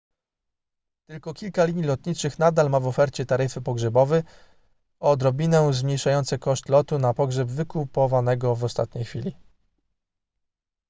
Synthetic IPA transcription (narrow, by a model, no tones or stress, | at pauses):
t̪ɘlkɔkʲilkalʲiɲilɔt̪ɲit͡ʂɘxnad̪almavɔfɛɾt͡ɕɛt̪aɾɘfɘpɔɡʐɛbɔvɛ | ɔd̪ɾɔbʲinɛzmɲejʂajɔnt̪sɛkɔʂt̪lɔt̪unapɔɡʐɛbvɘkupɔvanɛɡɔvɔst̪a̰t̪̚ɲejxfʲilʲi